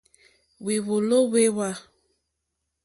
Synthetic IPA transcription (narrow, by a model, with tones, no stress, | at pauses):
we˨βo˨lo˦we˦wa˦